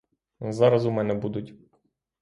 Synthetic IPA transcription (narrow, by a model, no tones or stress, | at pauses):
zaɾazumɛnɛbud̪ut̪ʲ